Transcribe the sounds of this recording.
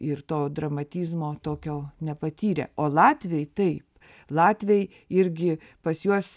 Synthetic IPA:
ɪrt̪oːd̪ɾɐmɐt̪ʲiːzmoːt̪oːkʲoːnʲɛpɐt̪ʲiːɾʲḛːoːlˠɑːt̪ʲʋʲɛjt̪ɐɪp | lˠɑːt̪ʲʋʲej | ɪɾʲɡʲɪ | pɐsjuɔs

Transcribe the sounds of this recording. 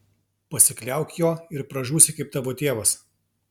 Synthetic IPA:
pɐsʲɪklʲæˑʊkʲjoːɪɾpɾɐʒuːsʲɪkɐɪp̚t̪ɑːʋoːt̪ʲeːʋɐs

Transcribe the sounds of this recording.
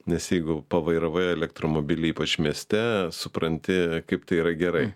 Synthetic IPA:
nʲɛsjɛɪɡʊpɐʋɐɪɾɐʋɐɛlʲɛk̚t̪ɾoːmoːbʲɪlʲɪiːpɐt͡ʃmʲiɛsʲt̪ʲɛsʊpɾɐnʲt̪ʲɪkɐɪpt̪ɐɪiːɾɐɡʲɛɾɐɪ

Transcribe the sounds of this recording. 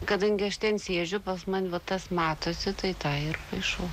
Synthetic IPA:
kɐd̪ɐŋʲɡʲɪɐʃt̪ʲɛnsʲeːʒʲʊpɐsmɐnʲʋɐt̪ɐsmɑːt̪oːsʲɪt̪ɐɪt̪ɑːɪrpɐɪʃɐʊ

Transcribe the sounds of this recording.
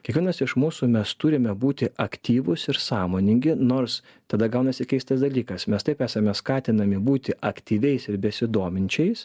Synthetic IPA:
kʲiɛkʋʲɪɛnɐsɪʃmuːsumʲɛst̪ʊɾʲɪmʲɛbuːt̪ʲɪʔɐkt̪ʲiːʋʊsɪɾsɑːmoːnʲɪŋʲɡʲɪnoːɾs | t̪ɐd̪ɐɡɐʊnɐsʲɪkʲɛɪst̪ɐsd̪ɐlʲiːkɐsmʲɛst̪ɐɪpæːsɐmʲɛskɑːt̪ʲɪnɐmʲɪbuːt̪ʲɪʔɐkt̪ʲiːʋʲɛɪsɪɾbʲɛsʲɪd̪oːmʲɪnʲt͡ʃʲɛɪs

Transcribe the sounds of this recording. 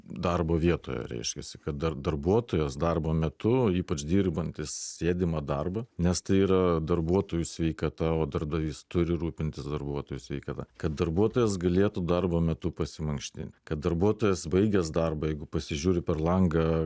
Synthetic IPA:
d̪ɐrboːʋʲiɛt̪o̰ːjɛ̰ɾʲɛ̰ɪʃʲkʲɛsʲɪ̥kɐt̪̚d̪ɐd̪ɐrbuɔt̪oːjɛsd̪ɐrboːmʲɛt̪ʊiːpɐt͡ʃd̪ʲiːrbɐnʲt̪ʲɪssʲeːd̪ʲɪmɐd̪ɐrbɐnʲɛst̪ɐɪiːɾɐd̪ɐrbuɔt̪oːjusʲʋʲɛɪkɐt̪ɐoːd̪ɐrbd̪ɐʋʲiːst̪ʊɾʲɪɾuːpʲɪnʲt̪ʲɪsd̪ɐrbuɔt̪oːjusʲʋʲɛɪkɐt̪ɐ̰kɐt̪̚d̪ɐrbuɔt̪oːjɛsɡɐlʲeːt̪ud̪ɐrboːmʲɛt̪ʊpɐsʲɪmɐŋkʃʲt̪ʲɪ̰nʲt̪ʲkɐt̪̚d̪ɐrbuɔt̪oːjɛsbɐɪɡʲɛsd̪ɐrbɐjɛɪɡʊpɐsʲɪʒʲuːɾʲɪpʲɛrlˠɐŋɡɐ

